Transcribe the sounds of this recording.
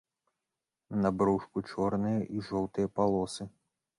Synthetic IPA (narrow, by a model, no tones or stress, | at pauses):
nabɾuʂkut͡ʂɔrnɨjɐʔiʐɔwt̪ɨjɐpalˠɔsɨ